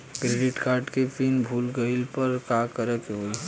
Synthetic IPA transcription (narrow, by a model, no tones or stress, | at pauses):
kɾeɖɪʈkaːɾɖkepʰinbʱuːlɡəɪlpəɾkakəɾəkeɦoi